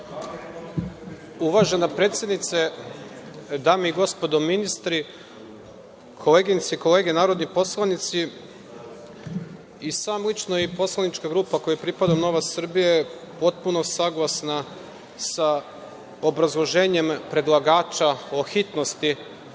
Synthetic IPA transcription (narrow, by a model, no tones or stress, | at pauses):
uʋaʒe̞napɾe̞ːt̪sje̞d̪nit̪se | d̪aːmeiɡo̞spod̪ominist̪ɾi | kʰo̞leːɡinit̪siko̞le̞ːɡenaːɾo̞d̪nipo̞slˠanit̪si | isaːmlit͡ʃnoipo̞slˠanit͡ʃkaɡɾuːpakojapɾipad̪ano̞ʋasr̩bije | po̞t̪̚puno̞saɡlˠasna | sa | obɾazlˠo̞ʒe̞ːɲe̞mpɾe̞d̪lˠaɡaːt͡ʃao̞xit̪no̞st̪i